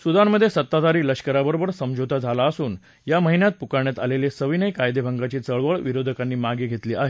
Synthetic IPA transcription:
sud̪ʱanːəd̪ʱːjesət̪ːad̪aɾiːləɕkəɾabəɾobəɾsəmd͡ʑʱot̪ad͡zʱalaəsuːn | jaməɦinjat̪̚pukaɳjat̪alelesəʋinəjkajd̪ebʱəŋɡat͡ɕiːt͡səɭʋəɭʋiɾod̪ʱəkanːiːmaɡiːɡʱet̪liːʔaɦe

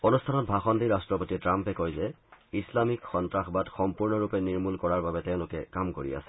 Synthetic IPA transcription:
onustʰanɔt̚bʱaxɔndiɹastɹɔpotitɹampɛkojzɛ | islamikxɔntɹaxbatxɔmpuɹnɔɹupɛniɹmulkɔɹaɹbabɛtɛʊ̃lʊkɛkamkoɹḭa̰sɛ̥

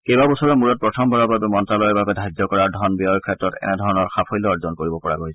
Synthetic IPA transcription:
kejbabɔsɔɹɔmuɹɔt̚pɹɔtʰɔmbʱɔɹɔbabɛmɔntalɔjɔɹbabɛdʱajd͡ʒɔkɔɹaɹdʱɔnbiɔɹkʰɹɛtːɹɔtɛ̰nɛdʱɔɹɔnɔɹxapʰɔjlɔɔɹzɔnkoɹibɔpɔɹa̰ɡoɦisɛ

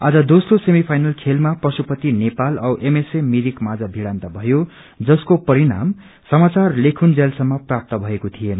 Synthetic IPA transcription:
ad͡zʌd̪osrosemipʰajnʌlkʰelmaprʌsupʌt̪inepalʌwʔemesemiɾikmad͡zʌbʱiɽant̪abʱʌjo | d͡zʌskopʌɾiɽa̰m | sʌmat͡sarlekʰund͡zelsʌmːʌprap̚t̪ʌbʱʌekot̪ʰijen

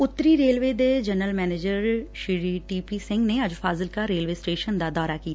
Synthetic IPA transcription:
ʊt̪ːɾiːɾeːlʋeːd̪eːd͡ʒənəlmɛːneːd͡ʒəɾʃɪɾiːʈiːpiːsɪ̃ŋɡneːəd͡ʒfʰaːzɪlkaːɾeːlʋeːsʈeːʃənd̪aːd̪ɔːɾaːkiːt̪a

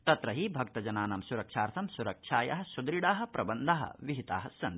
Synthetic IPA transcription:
t̪ɐt̪ɾɐɦibʱɐk̚t̪ɐd͡ʒɐnaːnɐmsuɾɐkʂaːɾt̪ʰɐmsuɾɐkʂʰaːjɐ̰ɦɐ̆sud̪ɾiɽaːɦɐ̆pɾʔɐbɐnd̪ʱaːɦɐ̰ʋiɦit̪a̰ːɦɐsɐn

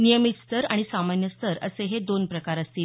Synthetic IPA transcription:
nijəmit̪st̪ʰəɾaɽ̃isamanjəst̪ʰəɾə̰seɦed̪onpɾəkaɾəst̪iːl

